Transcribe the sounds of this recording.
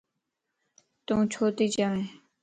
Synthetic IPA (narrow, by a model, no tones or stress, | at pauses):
t̪ũːt͡ʃʰoːt̪iːt͡ʃaʋẽː